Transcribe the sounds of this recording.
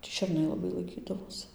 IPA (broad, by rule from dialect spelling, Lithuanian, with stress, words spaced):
tʲiː ʃʲɛrˈnɐɪ lˠɐˈbɐɪ lˠɐɪˈkʲiːdɐʋoːs